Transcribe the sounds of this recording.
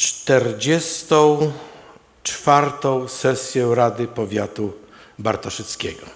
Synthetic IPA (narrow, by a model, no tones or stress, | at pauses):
t͡ʂt̪ɛɾd͡ʑɛst̪ɔ̃w̃ | t͡ʂfaɾt̪ɔ̃w̃sɛsʲjɛɾad̪ɘpɔvʲjat̪u | baɾt̪ɔʂɛt̪skʲɛ̰ɡɔ̰